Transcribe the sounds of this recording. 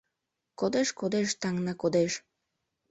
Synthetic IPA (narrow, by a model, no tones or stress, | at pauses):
kod̪eʃkod̪eʃt̪ɑŋnɑkod̪eʃ